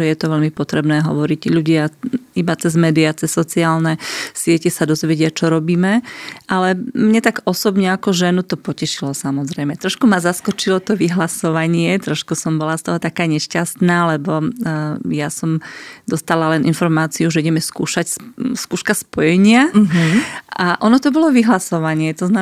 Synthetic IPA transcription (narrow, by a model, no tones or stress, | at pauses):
ɛjɛt̪ɔʋɛʎmipɔt̪ɾɛbnɛːɦɔ̰ʋɔɾiɟʎuɟɪaibat͡sɛzmɛːd̪iat͡sɛsːɔt͡siaːlnɛsɪɛcɛsad̪ɔzʋɛɟɪat͡ʃɔɾɔbiːmɛʔalɛmɲɛt̪aɡɔsɔbɲɛakɔʒɛnut̪ɔpɔcɛʃilɔsamɔzɾɛjmɛt̪ɾɔʃkumazaskɔt͡ʃilɔt̪ɔʋiɦlasɔʋaɲɪɛt̪ɾɔʃkusɔmbɔlast̪ɔɦɔt̪akaːɲɛʃcast̪naːlɛbɔ | jasɔmd̪ɔst̪alalɛnʔinfɔɾmaːt͡siuʒɛiɟɛmɛskuːʃacsskuːʃkaspɔjɛɲɪa | aʔɔnɔt̪ɔbɔlɔʋiɦlasɔʋaɲɪɛt̪ɔzna